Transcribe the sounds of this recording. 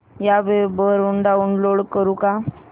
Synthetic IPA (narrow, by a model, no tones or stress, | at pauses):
jaʋebəɾuɳɖauɳloɽkəɾũka